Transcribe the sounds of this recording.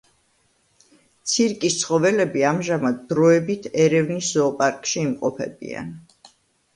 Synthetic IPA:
t̪sʰiɾkʼist̪sʰχɔvɛlɛbiamʒamad̪d̪ɾɔɛbit̪ʰɛɾɛvniszɔːpʼaɾkʼʃiːmqʼɔpʰɛ̰bḭa̰n

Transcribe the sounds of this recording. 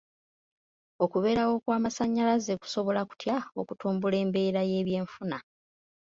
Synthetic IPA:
o̞kuβe̞ːɾawo̞kwaːmasaɲːalaze̞ku̥so̞βo̞laku̥tʰjao̞kutuːmbule̞ːmbe̞ːɾaje̞ːβje̞ːɱfuna

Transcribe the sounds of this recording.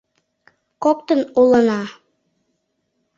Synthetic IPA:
kok̚t̪ənulə̆nɑ

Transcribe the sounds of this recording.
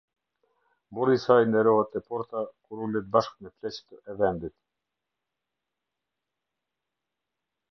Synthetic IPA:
bɔɾisajnd̪ɛɾɔɦɛt̪ɛpɔɾt̪akuɾulɛt̪̚baʃkmɛplɛt͡ɕt̪əɛvɛnd̪it̪

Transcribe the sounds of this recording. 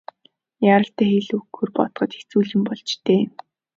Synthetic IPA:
jaːɾə̆ɬt̪æːxeɮuɡɵrpɔt̪χɞ̆t̪e̥xʰt͡suːɮɪ̆mpɔɮt͡ɕt̪ʰeː

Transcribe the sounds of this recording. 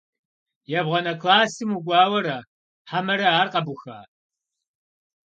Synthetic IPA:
jɛbʁʷɔnɐkʰlaːsɨmuɡʷɑːwɐɾɐ | ħamɐɾɐaːrqɐbʊxaː

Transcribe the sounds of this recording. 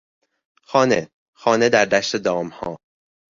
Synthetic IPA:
xɒːne | xɒːne̞d̪æɾd̪æʃt̪ed̪ɒːmhɒː

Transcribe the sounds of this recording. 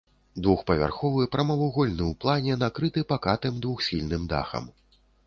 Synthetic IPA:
d̪vuxpɐvʲa̰rxɔvɨpɾɐmɐvuɣɔlʲnɨwplˠanʲɛnakɾɨt̪ɨpakat̪ɨmd̪vuxsʲilʲnɨmd̪a̰xɐ̰m

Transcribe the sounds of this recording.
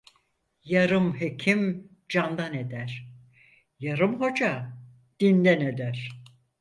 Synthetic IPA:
jaɾɯmɦecʰim | d͡ʒand̪ane̞d̪æɾ̥ | jaɾɯmɦo̞d͡ʒa | d̪̥ind̪æne̞d̪æɾ̥

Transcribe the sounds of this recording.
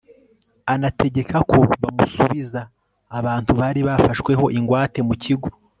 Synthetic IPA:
anatʰe̞ɟe̞kʰakʰo̞βamusuβizaː | βaːntuβaːɾiβafaʃkwe̞ɦo̞ʔiŋɡwaːte̞mucʰiɡo

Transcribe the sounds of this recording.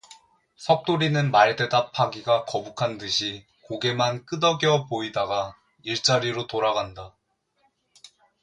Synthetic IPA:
sʰʌk̚t͈oɾinɯnmaɭde̞dapʰaɡiɡakʌbukʰandɯɕʰi | koɡe̞mank͈ɯdʌɡʌpoidaɡa | iɭt͡ɕ͈aɾiɾotoɾaɡanda

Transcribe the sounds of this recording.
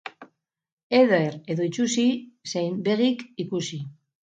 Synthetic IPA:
e̞ðoeɾe̞ðo̞it͡ʃusisejmbe̞ɣikikusi

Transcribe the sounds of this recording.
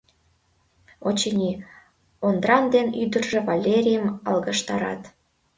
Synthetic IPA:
ot͡ɕenʲi | ond̪ɾɑnd̪enyd̪ərʒĕvɑlʲeɾʲijəmɑ̰lɣɤʃt̪ɑɾɑ̰t̪

